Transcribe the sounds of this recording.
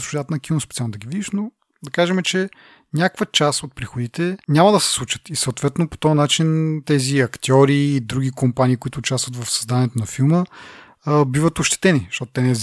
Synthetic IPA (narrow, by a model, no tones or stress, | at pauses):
sat̪nɐkʲinospɛ̥t̪salˠnod̪ɐɡʲivid̪iʃno | d̪ɐkaʒɛmɛt͡ʃɛ | nʲakvət͡ʃasot̪̚pɾixʊd̪it̪ɛnʲamɐd̪ɐsɛ̥slˠut͡ʃə̥t̪isɐot̪vɛt̪nopo̥t̪ɔjɐnat͡ʃint̪ɛziɐkt̪ʲjɔɾiːd̪ɾuɡʲikompaniːkoit̪ʊːt͡ʃast̪vət̪vɐfsɐzd̪aniɛt̪onɐfilˠmə | bivət̪oʃt̪ɛ̥t̪ɛniʃt̪ɔt̪ʊt̪ɛnɛ